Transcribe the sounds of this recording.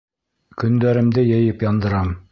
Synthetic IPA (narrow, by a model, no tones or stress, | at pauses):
kɵ̆nd̪æɾɘ̆md̪ɘjɘ̆jɘpjɑnd̪ɤ̆ɾɑm